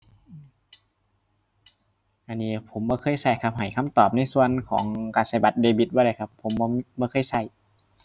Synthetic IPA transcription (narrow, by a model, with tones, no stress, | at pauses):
ʔɯː˧˩m | ʔa˧nːiː˧˩pʰo˨˦mbɔː˧˦kʰɤː˧˥˨jsa˧˩jkʰa˧p̚ɦa˨˩jkʰa˧˥˨mt̪ɔː˨˩p̚na˧˥˨jsu˧˨ənkʰɔ̰ː˩˦ŋkaː˧˩nsa˧˩jba˧˦t̪̚deː˧bi˧t̪̚bɔː˧˩ɾa˧˩jkʰa˧pʰːo˨˩˦mbɔː˧bɔː˧˦xʰɤː˧˥˨jsa˧˩j